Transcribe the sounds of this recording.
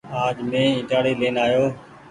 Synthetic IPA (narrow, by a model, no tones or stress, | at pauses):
aːd͡ʒmẽːɪ̃ːʈaːɽiːleːnaːjoː